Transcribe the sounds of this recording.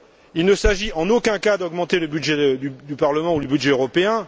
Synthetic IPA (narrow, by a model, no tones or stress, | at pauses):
ilnəsaʒiʔɑ̃nokʲɛ̃kad̪ɔɡmɑ̃t̪eləbydʒɛd̪yd̪ypaʁləmɑ̃uləbydʒɛøʁɔpeɛ̃